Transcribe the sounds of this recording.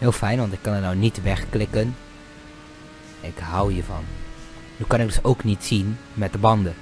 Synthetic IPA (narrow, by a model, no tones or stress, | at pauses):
hɪːlˠfɛjnʋɑntɪkːɑnənawnitʋɛxklɪkən | ɪkhawjəvɑ̰n | nykɑnɪk̚ɡdɵsowknitsinmɛt̚dəbɑndə